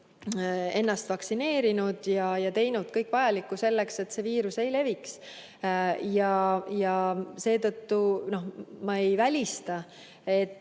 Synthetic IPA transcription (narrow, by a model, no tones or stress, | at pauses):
e̞nːɑst̪vɑksine̞ːɾinud̪̥jɑjɑt̪e̞jnud̪̥kɤjkːˑvɑjɑlikːˑuse̞lːe̞kse̞t̪ːse̞viːɾuse̞jle̞viks | jɑjɑse̞ːt̪ɤt̪ːuno̞hmɑe̞jvælʲist̪ɑ | e̞t̪ːˑ